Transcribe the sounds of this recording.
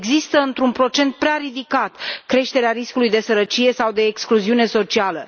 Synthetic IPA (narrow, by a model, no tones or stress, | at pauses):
ɡzist̪əɨnt̪ɾunpɾo̞t͡ʃe̞nt̪̚pɾeaɾid̪ikat̪kɾe̞ʃt̪e̞ɾeaɾiskulujd̪e̞səɾət͡ʃije̞sawd̪e̞ːkskluziune̞so̞t͡ʃialə